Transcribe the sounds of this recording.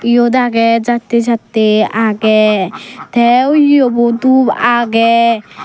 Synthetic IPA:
jod̪aɡɛd͡ʒat̪ːed͡ʒat̪ːeaɡɛ | t̪ʰɛwobɔt̪ubaɡɛ

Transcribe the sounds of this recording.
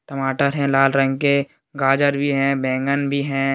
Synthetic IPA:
ʈəmaːʈəɾɦɛ̃laːlɾə̃ŋɡke | ɡaːd͡ʒəɾbʱiɦɛ̃bɛ̃ːŋɡənbʱiɦɛ̃

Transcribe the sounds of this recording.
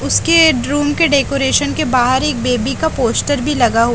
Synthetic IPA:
ʊskeɖɾuːmkeɖeːkoːɾeːʃənkebaːɦəɾeːk̚beːbikapoːsʈəɾbʱilɐɡaɦu

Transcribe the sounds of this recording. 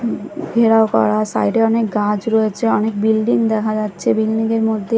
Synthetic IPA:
ɡʱeɾaokɔ̰ɾasa̰jɖeɔnekɡãd͡ʑɾoet͡ɕʰeɔnek̚bilɖiŋd̪ɛkʰad͡ʑatːɕʰebilɖiŋeɾmod̪ʱːe

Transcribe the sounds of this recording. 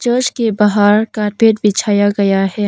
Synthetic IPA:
t͡ʃəːd͡ʒkebɐɦaːɾkaːɾpeːʈbɪt͡ʃʰaːjaɡɐjaɦɛː

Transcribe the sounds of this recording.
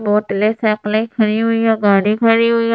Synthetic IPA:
boːʈlesɛːklẽkʰɐɾiɦʊiãɡaːɽikʰɐɾiɦʊi

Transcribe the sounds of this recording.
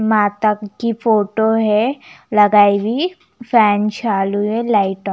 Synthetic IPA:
mãːt̪əkkːipʰoːʈoɦɛlɐɡaːibʱi | pʰɛːnt͡ʃʰaːluelaːɪʈɔ̃

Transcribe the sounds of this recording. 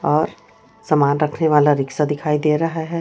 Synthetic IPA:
ɔːɾ | samaːnɾɐkʰneʋaːlaɾɪksad̪ɪkʰaːid̪eːɾɐɦaɦɛ

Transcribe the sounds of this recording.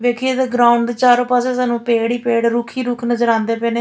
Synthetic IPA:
ʋeːkʰieːd̪eɡɾaːʊɳɖdt͡ʃaːɾõːpaːsẽːsaːnũːpeːɽiːpeːɽɾuːkʰiːɾuːkʰnəzəɾãːnd̪eːpɛːneː

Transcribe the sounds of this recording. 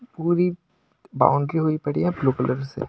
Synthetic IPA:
puːɾi | ba̰ːʊ̃ɳɖɾiɦoipɐɽiɦɛ̃bloːkələɾsḛ

